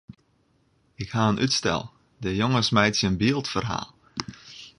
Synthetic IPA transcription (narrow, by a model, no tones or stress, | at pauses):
ɪkhaənʔytstɛ̰lˠ | dəjoŋəsmɛjtsjəənbiːəlˠtfərɦa̰ːlˠ